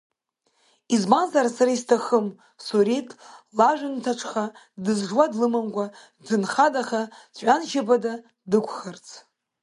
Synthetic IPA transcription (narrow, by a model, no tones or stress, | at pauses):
izmanzaɾasaɾaistʰaχəm | soɾitʼʰlaʒᶣʷɪntʰaʈ͡ʂʷʰχa | dɨzʐwadlɨmamɡʷa | d͡zɨnχadaχat͡sʷʰʼanʃabada | dɨkʷʰχərt͡sʰ